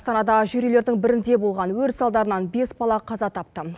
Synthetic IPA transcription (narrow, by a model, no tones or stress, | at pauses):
st̪ɑnɑd̪ɑʒʏɾjele̞ɾd̪ɪŋbɪɾɪnd̪e̞bo̞lˠʁɑnwɵɾsɑlˠd̪ɑɾənɑnbe̞sbɑlˠɑqʰɑzɑt̪ʰɑp̚t̪ə